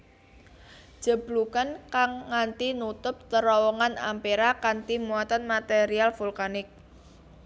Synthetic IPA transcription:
d͡ʒ̥ə̤blukankaŋːant̪inut̪ʊp̚t̪əɾɔwɔŋana̰mpeɾakant̪imuat̪anmat̪eɾialfulkanɪk̚

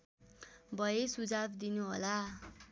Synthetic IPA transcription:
bʱʌjesud͡zabd̪inuɦola

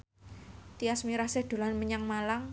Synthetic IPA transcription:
t̪iasmiɾased̪̥o̤lanməɲaŋmalaŋ

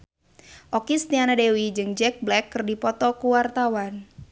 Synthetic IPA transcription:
ʔɔkist̪ianadewid͡ʒɨŋd͡ʒɛk̚blɛkːɨrdipɔt̪ɔkuwart̪awan

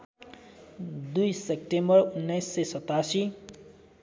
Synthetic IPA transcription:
d̪ujsep̚ʈembʌrunːʌjsːesʌt̪asi

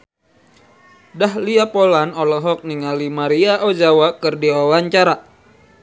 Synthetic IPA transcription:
dahliapolanɔlɔɦɔk̚niŋalimaɾiaʔod͡ʒawakɨrdiwawaɲt͡ʃaɾa

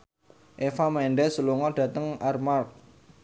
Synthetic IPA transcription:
ʔefamɛɳɖɛsuluŋɔɖ̥ä̤t̪əŋarmart̪̚

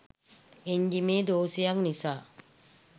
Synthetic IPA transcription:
eɲd͡ʒimeːd̪oːsijaŋnisaː

